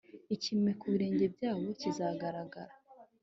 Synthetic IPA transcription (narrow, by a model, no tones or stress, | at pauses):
icimŋe̞kuβiɾe̞ːɲɟe̞bjaːβo̞cizaɡaɾaɡaɾa